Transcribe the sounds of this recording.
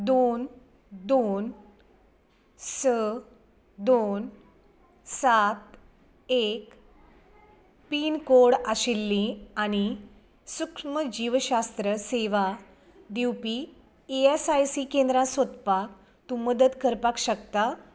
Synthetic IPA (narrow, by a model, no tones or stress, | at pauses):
d̪on | d̪on | sə | d̪on | sat̪ | ek | piːnkoɽaɕilːĩaɽ̃i | sukʂməd͡ʑiʋɕast̪ɾəseʋa | d̪iwpi | eesajsiːkend̪ɾãsot̪pak̚ | t̪uməd̪əd̪kəɾpakɕəkt̪a